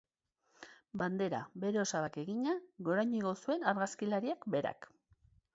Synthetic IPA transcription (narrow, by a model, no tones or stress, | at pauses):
band̪e̞ɾa̰be̞ɾe̞o̞saβake̞ɣiɲaɣo̞ɾajɲiɣo̞sue̞naɾɣaskilaɾiakbe̞ɾa̰k